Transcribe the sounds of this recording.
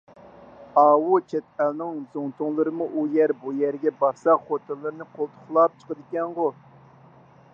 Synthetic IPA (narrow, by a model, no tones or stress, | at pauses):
ɑːwut͡ʃʰɛt̪̚ælnɨŋzoŋt̪ʰʊŋlˠɨɾɨmuʔujɛɾbujɛɾɡʲɛbɑɾsɑχot̪ʰɨlˠːɨɾɨnɨqʰolˠt̪ʰʊ̥χlˠɑp̚t͡ʃʰə̥qəd̪ɪkʲɛnʁo